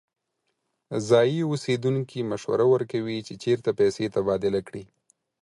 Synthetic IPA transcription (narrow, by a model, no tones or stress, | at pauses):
zɑjiosed̪uŋkʰimaʃwa̰ɾawəɾkawit͡ʃet͡ʃeɾt̪apɛset̪abɑd̪ɪlakɽi